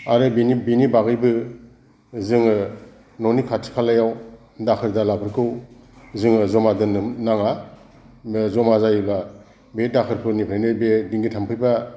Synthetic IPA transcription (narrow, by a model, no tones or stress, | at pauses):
aɾɯbinibinibaɡɯjbɯ | zɯŋɯ | nɔnikʰatʰi̥pʰalajaw | dakʰɯɾdalapʰɯɾkʰɯw | zɯŋɯzɔmadɯnnaŋa | zɔmazajɯba | bedakʰɯɾpʰɯnipʰɾenɯbediŋɡitʰampʰɯɾba